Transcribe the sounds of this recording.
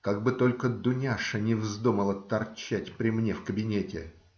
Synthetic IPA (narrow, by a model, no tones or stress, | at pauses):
kaɡ̚bɨt̪o̞lʲkəd̪ʊnʲaʂənʲɪvzd̪uməlˠət̪ɐrt͡ɕætʲpɾʲɪmnʲe̞fkəbʲɪnʲetʲɪ